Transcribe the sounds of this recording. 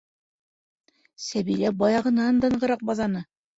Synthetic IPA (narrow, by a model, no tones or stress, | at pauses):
sæβiɾæbɑjɑʁɤ̆nɑnd̪ɑ̆ɴɢɤ̆ɾɑq̚bɑzɑnɤ